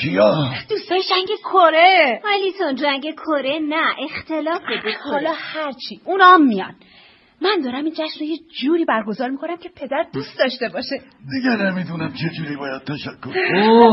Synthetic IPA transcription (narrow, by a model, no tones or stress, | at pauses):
kʰijɒd̪̥ust̪ɒːjiʃæŋɟekʰoɾeɒjlit̪ʰond͡ʒæŋɡekʰoɾenæʔext̪ʰelɒːfed̪eɒːlɒːhæɾt͡ʃʰiːʔunɒːmːijɒ̰n | mænd̪ɒːɾæmiːnd͡ʒæʃmrojed͡ʒuːɾiːbæɾɡo̞zɒːɾmikʰonæmcʲʰe̞pʰe̞d̪æɾd̪uːst̪d̪ɒːʃt̪e̞bɒːʃe | d̪iɡenemid̪unæmt͡ʃʰed͡ʒuːɾiːbɒːjæd̪̥̚t̪ʰæʃækʰːoɾo